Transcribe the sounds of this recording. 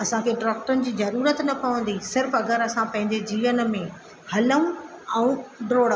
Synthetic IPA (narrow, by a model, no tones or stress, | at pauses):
ɐsãkʰeːɖɾɐːk̚ʈʊnɪ̆d͡ʑiːzɐɾuːɾət̪nɐpɐʋə̃nd̪isɪɾfɐɡəɾɐsãpɐ̃ɦɪ̃ɲd͡ʑed͡ʑiːʋənmẽ | hɐləũ | ɛ̃ũɖɾoːɽ